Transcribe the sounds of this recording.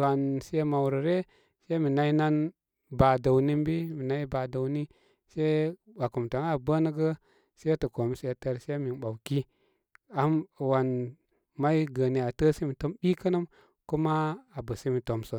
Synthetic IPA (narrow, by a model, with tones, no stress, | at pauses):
wa˨nse˦ma˨wɾə˨ɾe˦ | se˦mi˨na˦i˦na˦n | ba˨də˨wni˦m˦bi˦mi˨na˦i˦ba˨da˨wni˦ | se˦iwa˨ku˨mta˨ŋa˦˨bə˦nə˦ɡə˦ | se˦a˦tə˨ko˨mi˨˦se˨te˦ɾse˦mi˨ɓa˨wki˦ | a˨m˨wa˨n | ma˦jɡə˨ni˨a˨tə˦se˦mi˨to˦mbi˦kə˦nə˦m | ku˦ma˦a˨bə˨si˦mi˨to˨msə˨